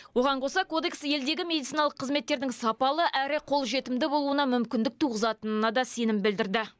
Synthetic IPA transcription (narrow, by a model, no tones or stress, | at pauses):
wo̞ʁɑɴqʰo̞sɑko̞d̪e̞ksje̞ld̪e̞ɡʲɪme̞d̪it̪sinɑlˠəqʰːəzme̞t̪ːe̞ɾd̪ɪŋsɑpɑlˠəʔæɾɪqʰo̞lˠʒe̞t̪ɪmd̪ɪbo̞lˠuənɑmʏmkʲɪnd̪ɪk̚t̪ʰuʁəzɑt̪ənənɑd̪ɑse̞nɪmbɪld̪ɪɾd̪ɪ